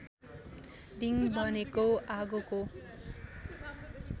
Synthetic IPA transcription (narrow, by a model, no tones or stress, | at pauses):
ɖiŋbʌnekoʔaɡuko